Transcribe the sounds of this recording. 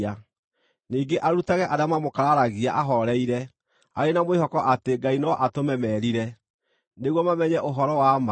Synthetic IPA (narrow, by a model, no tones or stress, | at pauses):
a | niːŋɡeʔaɾutaɣɛʔaɾamamokaɾaɾaɣiaʔaɦɔɾɛiɾɛ | a̰ɾenamwehɔkɔʔateɡainɔʔatomɛmɛɾiɾɛ | neɣwɔmamɛɲɛʔoɦɔɾɔwama